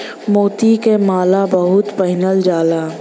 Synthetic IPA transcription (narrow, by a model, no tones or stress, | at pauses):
moːt̪ikemaːlabəɦʊt̪pəɦɪnəld͡ʒaːlaː